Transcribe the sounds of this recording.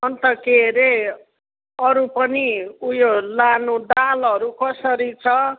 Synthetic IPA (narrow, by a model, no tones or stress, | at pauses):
ʌnt̪ʌkeɾe | ʌɾupʌniujolanud̪alʌɾukʌsʌɾit͡sʰʌ